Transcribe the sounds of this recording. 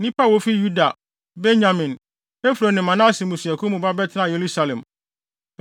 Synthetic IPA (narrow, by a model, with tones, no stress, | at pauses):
nɪ̃˦pʰa˦wo˦fi˦ju˦da˨ | be˦ɲã˨mɪ̃˨n | e˦fu˨ɾo˨nɪ̃˨mã˨nã˦˨si˨mũ˨si˨ɛ˨kʰʊ˦mũ˨ba˦bɛ˦tʰɪ˦nã˦˨je˨ɾu˦sa˨lɛ̃˨m